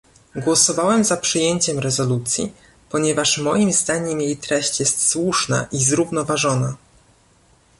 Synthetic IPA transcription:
ɡwɔsɔvawɛmzapʂɘjeɲt͡ɕɛmɾɛzɔlut̪sʲjḭ | pɔɲɛvaʂmɔjimzd̪aɲɛmjejt̪ɾɛɕt͡ɕjɛst̪swuʂna̰ʔizɾuvnɔvaʐɔna

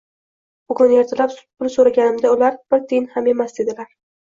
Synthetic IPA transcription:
b̥ʊɡʊne̞ɾt̪ʰalappʰʊlsoɾaɡʲanɪmd̪aʊlaɾb̥ɪɾt̪ʰenhame̞masd̪e̞d̪ɪlaɾ

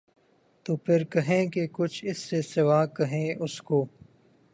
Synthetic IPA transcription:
t̪oːpʰɪɾkɐɦẽːkekʊt͡ʃʰɪsːesɪʋaːkɐɦẽːʔʊskoː

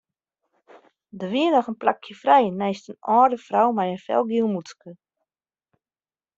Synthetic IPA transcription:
dəʋiənɔxənplakʰjəfrɛjnɛjstənɔːrdəfrawmajənfɛ̰lˠɡilˠmuskə

